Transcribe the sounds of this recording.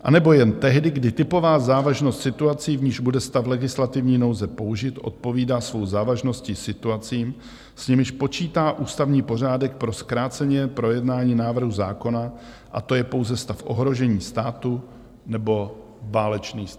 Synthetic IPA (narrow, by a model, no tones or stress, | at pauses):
ʔa̰nɛbo̞jɛnt̪ɛɦdɪɡdɪt̪ɪpo̞vaːzaːvaʒno̞st̪sɪt̪uat͡siːvɲiːʒbudɛst̪aflɛɡɪslat̪ɪvɲiːno̞wzɛpo̞uʒɪt̪ʔo̞̰t̪̚po̞viːdaːsvo̞wzaːvaʒno̞scɪsɪt̪uat͡siːm | sɲɛmɪʃpo̞t͡ʃiːt̪aːʔuːst̪avɲiːpo̞r̝aːdɛk̚pɾo̞skɾaːt͡sɛɲɛpɾo̞jɛdnaːɲiːnaːvr̩ɦuzaːko̞na | ʔa̰t̪o̞jɛpo̞wzɛst̪afʔo̞̰ɦɾo̞ʒɛɲiːst̪aːt̪u | nɛbo̞ | vaːlɛt͡ʃniːs